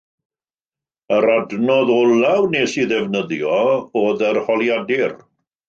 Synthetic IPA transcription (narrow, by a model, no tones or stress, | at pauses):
əɾadnɔðolawneːsiðɛvnəðjɔoːðərhɔlˠjadɪr